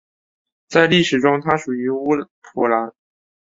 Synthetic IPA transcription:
t͡sa˥˧ɪli˥˩ʂɻ̩˨˩ʈ͡ʂʊ˥ŋt̪ʰa˥ʂu˨˩y˧˥u˥ | pʰu˧˥la˧˥n

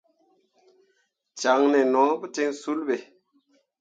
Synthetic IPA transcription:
t͡ʃa˨ŋne˨nɔ̃˨˦bu˦te˦ŋsu˦lɓe˨

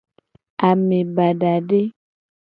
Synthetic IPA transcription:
a˨mẽ˨ba˨ɖa˨ɖe˦

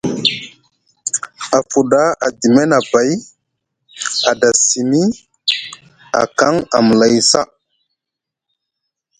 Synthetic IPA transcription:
a˨fu˨da˦a˨di˨me˦na˨ba˨˦j | a˨da˨si˨mi˦ | a̰˨ka˦ŋa̰˨mə˨la˨jsa̰˦

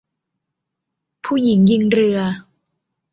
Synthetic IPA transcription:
pʰuː˥˩ji˩˦ŋji˧ŋɾɯ˧ɐ

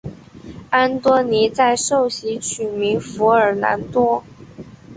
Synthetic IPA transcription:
a˥nt̪wɔ˥ni˧˥t͡sa˥˧ɪʂo˥˩ʊɕi˧˥t͡ɕʰy˨˩mi˧˥ŋfu˧˥ə˞˨˩na̰˧˥nt̪wɔ˥

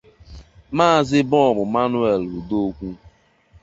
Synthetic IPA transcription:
maː˦˨zɪ˦bɔ˦˨mʊ˨ma˦nu˦e˨lɾu˨do˦kʷu˦

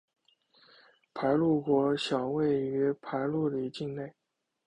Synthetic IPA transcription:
pʰa˧˥ɪlu˥˩kwɔ˧˥ɕjɑ˨˩ʊwe˥˩ɪy˧˥pʰa˧˥ɪlu˥˩d̪ə˨i˧˥t͡ɕi˥˧ŋne˥˩ɪ

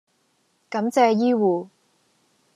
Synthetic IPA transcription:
kɐ˨˧˥mt͡sɛː˧jiː˥wuː˨˩

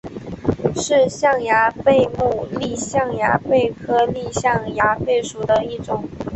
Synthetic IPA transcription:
ʂɻ̩˥˧ɕjɑ˥˩ŋja˧˥pe˥˧ɪmu˥˧li˥˧ɕjɑ˥˩ŋja̰˧˥pe˥˩ɪkʰɤ˥li˥˧ɕjɑ˥˩ŋja˧˥pe˥˩ɪʂu˨˩d̪ə˧i˥˩ʈ͡ʂʊ˨˩˦ŋ

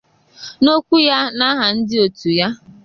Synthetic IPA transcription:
no˦kʷu˦ja˦na˦ɦa˨n̩˦dɪ˦o˨tu˨ja˦

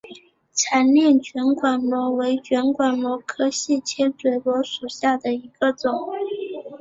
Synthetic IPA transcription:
t͡sʰa˧˥nljɛ˥˩nt͡ɕɥɛ˧˥nkwa˨˩nmwɔ˧˥we˧˥ɪt͡ɕɥɛ˧˥nkwa˨˩nmwɔ˧˥kʰɤ˥ɕi˥˩t͡ɕʰjɛ˥t͡swe˨˩ɪlwɔ˧˥ʂu˨˩ɕja˥˩d̪ə˩i˧˥ɡ̥ə˧t͡sʊ˨˩˦ŋ

